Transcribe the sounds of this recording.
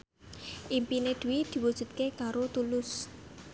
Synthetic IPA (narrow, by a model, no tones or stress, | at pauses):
ʔimpined̪̥ṳwid̪̥i̤wud̥ʒ̥ṳt̪̚kekaɾot̪ulʊs